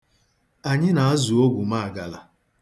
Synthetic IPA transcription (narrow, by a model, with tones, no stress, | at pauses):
a˨ɲɪ˦na˨a˦zu˨o˦ɡu˨ma˦˨ɡa˨la̰˨